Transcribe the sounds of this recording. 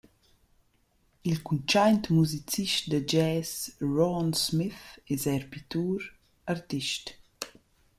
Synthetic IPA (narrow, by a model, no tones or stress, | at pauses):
ilkunt͡ʃajnt̪muzit͡siʃtd̪əd͡ʒɛːsɹɔnsmiθɛzɛɾpit̪uːɾ | aɾt̪iʃt